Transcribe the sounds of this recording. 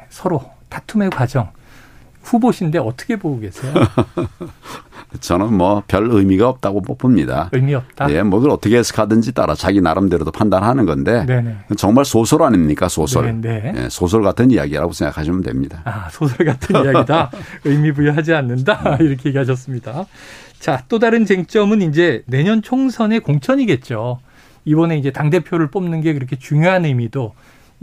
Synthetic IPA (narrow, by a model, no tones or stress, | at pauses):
sʰʌɾotatʰume̞kwad͡ʑʌŋ | ɸuboɕʰinde̞ʌt͈ʰʌ̥kʰe̞boɡuɡe̞sʰejo | t͡ɕʌnɯnmwʌpjʌɭɯjmiɡaʌp̚t͈aɡobopʰɯmɲida̰ɯmiʌp̚t͈aje̞mwʌkɡɯɾʌtʰʌkʰesʰɯ̥kʰadɯnd͡ʑit͈a̰ɾat͡ɕaɡinaɾɯmdeɾodopʰandanɦanɯnɡʌnde̞nenekɯnt͡ɕʌŋmaɭsʰosʰʌɾaɲimɲik͈asʰosʰʌɭnejḛsʰosʰʌɭɡatʰɯnija̰ɡiɾa̰ɡosʰeŋɡa̰kʰaɕʰimɯndwe̞̰mɲidaasʰosʰʌɭɡatʰɯnaɡɡidaɯjmibujʌɦad͡ʑianːɯndaiɾʌkʰe̞iɡeɦaɕ̬ʰʌs͈ɯmɲidat͡ɕat͈odaɾɯnt͡ɕeŋt͡ɕ͈ʌmɯnind͡ʑe̞ne̞ɲʌnt͡ɕʰoŋsʰʌne̞koŋt͡ɕʰʌɲiɡe̞t̚t͡ɕ͈o | ibʌne̞ind͡ʑe̞taŋde̞pʰjoɾɯɭp͈omnɯnɡe̞kɯɾʌkʰe̞t͡ɕuŋjoɦanɯimido